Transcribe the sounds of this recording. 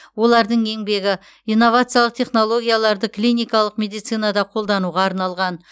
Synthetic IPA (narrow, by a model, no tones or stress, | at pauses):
wo̞lˠɑɾd̪əɴe̞ŋbe̞ɡʲɪ | ijnːo̞vat̪sɨjalˠəq̚t̪ʰʲe̞χno̞lˠo̞ɡʲijalˠɑɾd̪əklijnʲijkɑlˠəqmʲe̞d̪ijt̪sɨjnad̪ɑqʰo̞lˠd̪ɑnuʁɑːɾnɑlˠʁɑn